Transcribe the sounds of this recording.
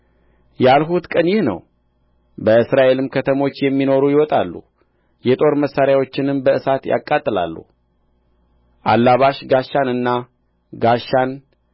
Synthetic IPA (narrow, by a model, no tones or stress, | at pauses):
jalɦut̪kʼənjɪhnə̰w | bəɨsɾaʔe̞lɨmkʰət̪ʰəmo̞t͡ʃːjɛmːino̞ɾujɪwɔt̪ʼalːṵ | jɛt̪ʼo̞ɾməsːaɾjawo̞t͡ʃːɪnɨmbəɨsat̪ja̰kʼːat̪ʼːɨla̰lːṵ | ʔa̰lːaβaʃɡaʃːanɨnːa | ɡaʃːan